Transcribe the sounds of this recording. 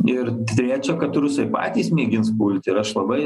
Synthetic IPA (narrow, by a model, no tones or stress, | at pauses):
ɪɾt̪ʲɾʲæːt͡ʃʲoːkɐt̪ɾʊsɐɪpɑ̰ːt̪ʲiːsmʲiɛɡʲɪnspuːlʲt̪ʲɪɾɐʃlˠɐbɐɪ